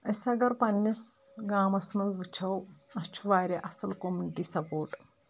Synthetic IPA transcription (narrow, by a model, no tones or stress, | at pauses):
ɐsɐɡɐɾpɐnːɐsɡaːmɐsmɐnzʋɨt͡ʃʰɐwɐst͡ʃʰuʋaːɾʲɐʔɐsɐlkomuniʈisɐpoːɾʈ